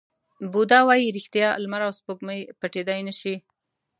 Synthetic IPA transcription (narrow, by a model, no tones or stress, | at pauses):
bud̪ɑwɑjiɾɪxt̪jɑlmaɾawspoɡməjpaʈed̪ajnəʃi